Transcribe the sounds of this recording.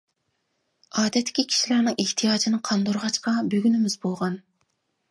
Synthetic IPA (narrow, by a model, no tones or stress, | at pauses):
ɑːd̪ɛt̪ʰːɪ̥kʲikʲʰi̥ʃilæɾnɪŋeht̪ʰijɑːd͡ʒinɨqʰɑnd̪oɾʁɑt͡ʃqɑbøɡʲynymɪzbolˠʁɑn